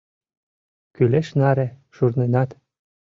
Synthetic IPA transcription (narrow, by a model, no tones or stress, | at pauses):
kyleʃnɑɾĕ | ʃurnenɑt̪